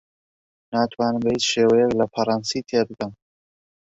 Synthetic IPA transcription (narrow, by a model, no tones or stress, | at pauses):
naːt̪ʰwaːnɨmbɐhiːt͡ʃʃeːwɐjɛklɐfɐɾˤɑnsiːt̪ʰebɨkɐm